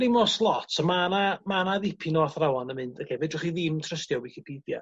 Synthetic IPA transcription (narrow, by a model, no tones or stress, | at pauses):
ɾɪmɔslˠɔtʰəmanamanaðɪpʰinɔθrawɔnəmɨndəkʰɛvɛdʊχiðɪmtʰrəstjɔwwɪkʰipʰiːdja̰